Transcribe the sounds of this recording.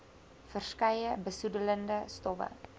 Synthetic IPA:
fərskɛjəbəsudələndəstɔfə̰

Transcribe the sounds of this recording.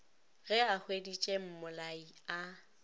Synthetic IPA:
ɣɛahwedit͡ʃʼem̩mʊlaia

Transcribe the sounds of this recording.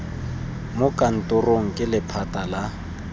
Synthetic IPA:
mokʼan̩tʼʊroŋ̩kʼɪlɪpʰatʼala

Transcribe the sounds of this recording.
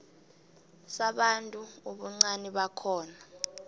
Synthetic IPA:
saɓantʼuuɓuŋ͡ǀaniɓakʰɔːna

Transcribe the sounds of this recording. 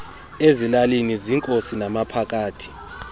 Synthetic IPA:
ezilaliniziŋkʼosinamapʰak̬ʼaːtʰi̥

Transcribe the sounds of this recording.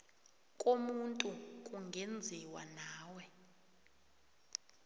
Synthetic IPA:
kʼomuntʼukʼuŋɡʱend͡zʱiwa̰naːwɛ

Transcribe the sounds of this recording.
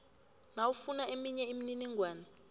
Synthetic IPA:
nawufunaemiɲɛimininiŋɡwaːna

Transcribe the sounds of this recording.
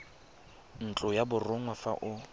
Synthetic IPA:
n̩t͡ɬʼʊjabʊrʊŋwafa̰ʔʊ

